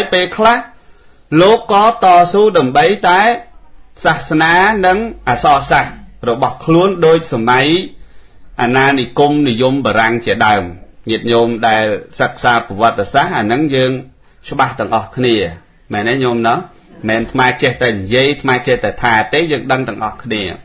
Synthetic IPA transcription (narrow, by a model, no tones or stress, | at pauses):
ajpeːlkʰlah | loːkːɑːt̪ɑːsuːɗaəmɓəjt̪aɛsahsnaːnɨŋʔaːsɑːsahrɔɓɑhkʰluənɗoːc̚samaj | ʔanaːnikumnijumɓaːɾaŋt͡ɕiəɗaəmɲiət̪̚ɲomɗaɛlsək̚saːpaʋŏət̪ːesahʔanɨŋjəːŋ | t͡ɕə̆ɓaht̪ɛ̆əŋʔɑhkʰniə | mɛːnɛɲomnɔ | mɛːnt̪ʰmaɛt͡ɕɛht̪aɛnijiəjt̪ʰmaɛt͡ɕɛht̪at̪ʰaːt̪eːjəːŋɗəŋt̪ɛ̆əŋʔɑhkʰniə